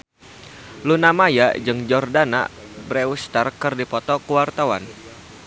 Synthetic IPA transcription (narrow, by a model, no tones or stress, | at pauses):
lunamaja̰d͡ʒɨŋd͡ʒɔrdana̰ | bɾɛust̪arkɨrdipɔt̪ɔkuwart̪awa̰n